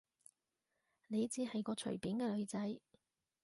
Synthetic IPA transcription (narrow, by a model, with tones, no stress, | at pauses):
ne˨˧jt͡siː˨˥ɦɐ˨jkɔː˧t͡ʃʰɵ̰˨˩piː˨˥nkɛː˧lɵ˨˧ɥt͡sɐ˨˥j